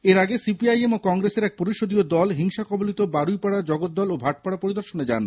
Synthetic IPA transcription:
eɾaɡesipiajemokɔŋɡɾeseɾɛk̚poɾiʃod̪iod̪ɔlɦiŋʃakɔbolit̪obaɾujpaɽad͡ʑɔɡot̪̚d̪ɔlobʱaʈ̚paɽapoɾid̪oɾʃoned͡ʑa̰n

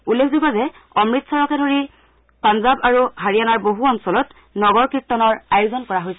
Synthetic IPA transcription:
ulːekʰzubazɛ | ɔmɹitsɔɹɔkɛdʱoɹi | panzabaɹuɦaɹijanaɹboɦuɔnsɔlɔt | nɔɡɔɹkɹitːɔnɔɹajuzɔnkɔɹaɦojsɛ

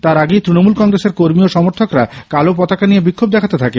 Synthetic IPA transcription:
t̪aɾaɡejt̪ɾinomulkɔŋɾeseɾkoɾmioʃɔmoɾt̪ʰokɾakalopɔt̪akanijebikʰːob̚d̪ɛkʰat̪et̪ʰake

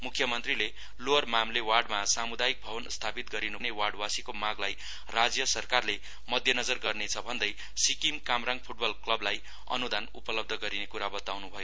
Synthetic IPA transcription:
mukʰjʌmʌnt̪rile | lormamlewarɖmasamud̪ajik̚bʱʌβʌnst̪ʰapit̪̚ɡʌɾinunewarɖwasikomaɡlaj | rad͡zjʌsʌrkarle | mʌd̪ʱjʌnʌd͡zʌrɡʌrnet͡sʰʌbʱʌnd̪ʌj | sikimkamraŋɡ̚pʰuʈ̚bʌlklʌblaj | ʌ̰nud̪ʱanṵpʌlʌb̚d̪ʱʌɡʌɾinekuɾabʌt̪awnubʱʌjo

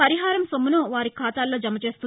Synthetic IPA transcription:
pɐɾiɦaːɾɐmsomːunuʋaːɾikʰaːt̪aːlːo̞ːd͡ʒɐmːɐt͡ʃe̞ːst̪u

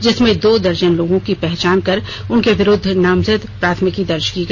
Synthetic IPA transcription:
d͡ʒɪsmẽd̪oːd̪ɐɾd͡ʒənloːɡõkipɛɦt͡ʃaːnkɐɾ | ʊnkeʋɪɾʊd̪ʱːnaːmzəd̪pɾaːt̪ʰmɪkid̪ɐɾt͡ʃkiɡ

